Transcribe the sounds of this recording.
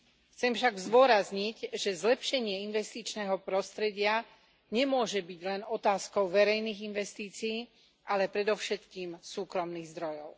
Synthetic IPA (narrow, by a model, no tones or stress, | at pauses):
xt͡sɛmfʃaɡzd̪ʋʊɔɾazɲicʒɛzlɛpʃɛɲɪɛinʋɛst̪it͡ʃnɛːɦɔpɾɔst̪ɾɛɟɪa | ɲɛmʊɔʒɛbiɟlɛnɔt̪aːskɔʊʋɛɾɛjniːɣinʋɛst̪iːt͡siiː | ʔalɛpɾɛd̪ɔʊʃɛt̪kiːmsuːkɾɔmniːɣzd̪ɾɔjɔʊ